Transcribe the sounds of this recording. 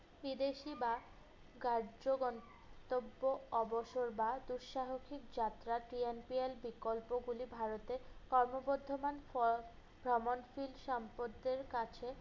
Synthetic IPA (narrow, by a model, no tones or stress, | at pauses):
bid̪eʃiba | ɡaɾd͡ʑoɡɔn | t̪obːoɔboʃoɾbad̪uɾʃaɦokʰikd͡ʑat̪ːɾaʈɾienpielbikolpoɡulibʱaɾot̪ekɔɾmoboɾd̪ʱːomanɔ | bʱɾɔmonfilʃɔmpod̪eɾkat͡ɕʰe